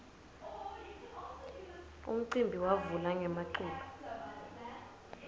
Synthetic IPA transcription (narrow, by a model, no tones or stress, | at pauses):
ṵm̩ǀimbʱiwavulaŋɛmaǃuːlɔ